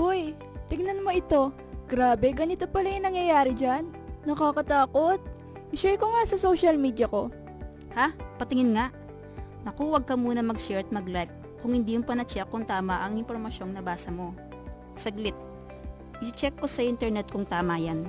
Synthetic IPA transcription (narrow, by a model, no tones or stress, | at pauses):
ʔoj | t̪ɪɡnɐnmo̞ɪt̪o̞ | ɡ̥ɾaːbɛɡɐnɪt̪opɐlɐjʊnɐŋjɐjaːɾɛd͡ʒanːɐkakɐt̪aːko̞t̪̚ | ʔɪʃɛjkoŋasɐsoʃɐlmiːd̪jɐko̞ | hapɐt̪ɪŋɪnŋaʔ | nɐkuːwɐɡ̚kɐmuːnɐmɐɡʃɛɹt̪̚mɐɡlajk̚ | kʊŋhɪnd̪iːjʊnpɐnɐt͡ʃɛkːʊŋt̪aːmɐʔɐŋɪnpoɾmɐʃo̞ŋnɐbaːsɐmo̞ | sɐɡlɪt̪̚ | ʔɪt͡ʃɛkːo̞sɐʔɪnt̪ɛɾnɛt̪̚kʊŋt̪aːmɐjan